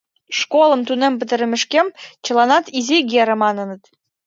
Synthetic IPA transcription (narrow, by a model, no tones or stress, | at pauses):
ʂkolˠə̆mt̪unĕmpɘ̆t̪ɘ̆ɾɘ̆mɘ̆ʃkʲemt͡ɕɤ̆lˠɑnɑt̪izeɡʲeɾɘ̆mɑnɤ̆nə̆t̪